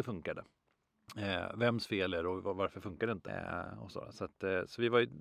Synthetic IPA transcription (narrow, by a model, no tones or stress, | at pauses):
ɛfɵŋkad̪ə̰ | vɛmːsfeːlæɾɔvavaɾfœɾfɵŋkad̪ɛɪnt̪əɔ̰so̰ːɾ̰sat̪sɔvɪvaɾj